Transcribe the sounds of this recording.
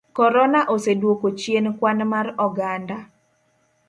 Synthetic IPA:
kɔɾɔnaʔosedwokot͡ʃjenkwanmarɔɡanda

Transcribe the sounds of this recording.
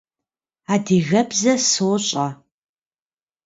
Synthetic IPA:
aːdiːɣɐbzɐsoːɕʼɐ

